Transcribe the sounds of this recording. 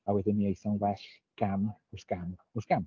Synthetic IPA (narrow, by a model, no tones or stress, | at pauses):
awɛdɪnːiejsanwɛɬɡ̥amʊsɡ̥amʊsɡ̥am